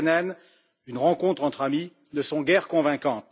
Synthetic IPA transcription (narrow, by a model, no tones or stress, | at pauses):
nɛn | ynʁɑ̃kɔ̃t̪χɑ̃t̪χami | nəsɔ̃ɡɛʁkɔ̃vɛ̃kɑ̃t̪